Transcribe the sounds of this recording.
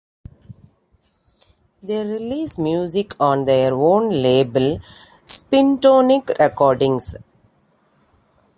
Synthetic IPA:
d̪eːɾɪliːsmjuːzɪkʰɔ̃ːnd̪eɾõːnleːbəl | spɪ̃nʈoːnikɾʔɛkɔːɾɖɪ̃ŋs

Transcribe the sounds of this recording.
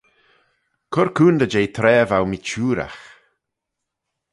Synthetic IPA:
kʰʊɾkʰuːnd̪əd͡ʒejt̪ʰɾɛːvawmit͡ʃuːɾa̰x

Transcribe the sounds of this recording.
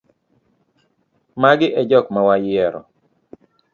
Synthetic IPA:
maɡɪʔɛd͡ʒɔkmawajɪɛɾɔ̰

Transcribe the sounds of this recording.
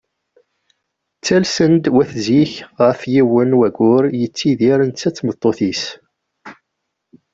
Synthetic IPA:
t͡sːælsənd̪wæθziçʁəfjiwənwæɡʊɾjət͡sːiðiɾənt͡sːæt͡sːmət̪ˤːoθis

